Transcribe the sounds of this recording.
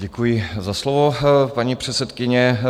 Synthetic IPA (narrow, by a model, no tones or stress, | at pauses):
ɟɛkujɪzaslovopaɲipr̝̥ɛt̪t͡sɛt̪kɪɲɛ